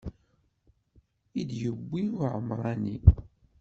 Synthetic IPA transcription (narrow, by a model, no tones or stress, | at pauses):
id̪jəbʷːiuʕəmːɾˤɑni